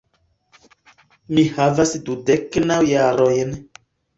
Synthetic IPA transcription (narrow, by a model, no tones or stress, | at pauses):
mihavasdudeknawjaɾojn